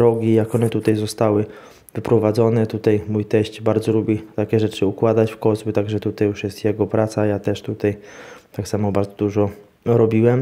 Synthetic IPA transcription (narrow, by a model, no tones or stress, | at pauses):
ɾɔɡʲijakɔnɛt̪ut̪ajzɔst̪awɘ | vɘpɾɔvad̪zɔnɛt̪ut̪ajmujt̪ɛɕt͡ɕbaɾd̪zɔlubʲit̪akʲɛʐɛt͡ʂɘukwad̪at͡ɕfkɔzbut̪aɡʐɛt̪ut̪ajuʂjɛst̪jɛɡɔpɾat̪sajat̪ɛʂt̪ut̪ajt̪aksamɔbaɾd̪zɔd̪uʐɔ | ɾɔbʲiwɛm